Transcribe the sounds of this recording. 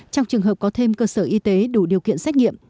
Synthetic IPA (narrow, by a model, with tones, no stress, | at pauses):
t͡ɕɔ˧wŋ͡mt͡ɕɨ˨˩əŋɦəː˨˩p̚kɔ˨˦t̪ʰe˧mkəː˧səː˧˩ʔi˧t̪e˨˦ɗu˧˩ɗi˨˩əwkḭ˧˨ənsɛ˦˥ŋḭ˧˨əm